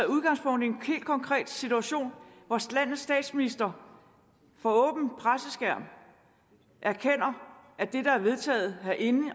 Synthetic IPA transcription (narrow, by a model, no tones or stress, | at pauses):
uðˠɡ̥ɑ̈ŋspʰɔ̽ŋ̰d̥e̝nhe̝̰ːld̥kʰɒ̽ŋkʰʁɛ̰ːd̥sit͡sʰuæɕo̝̰ːnʋɒslæn̰ð̩ˠsd̥ɛ̰ːd̥sminisd̥ɐ | fɒɔ̽ːb̥n̩pʰʁasəsɡ̥æɐ̰m | ʔæɐkʰen̰ɐæd̥e̝d̥ɑ̈æɐʋe̝ðˠt͡sʰɛ̰ːð̩ˠæʔe̝nə